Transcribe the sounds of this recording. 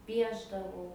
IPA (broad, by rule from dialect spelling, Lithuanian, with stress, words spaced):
ˈpʲiɛʒdɐʋɐʊ